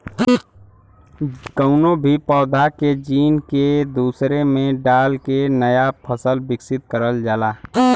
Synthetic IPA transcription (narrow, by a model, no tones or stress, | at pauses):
kəʊnobʱipɔːd̪ʱaked͡ʒiːnked̪uːsɾemẽɖaːlkenəjapʰəsəlbɪksɪt̪̚kəɾəld͡ʒaːlaː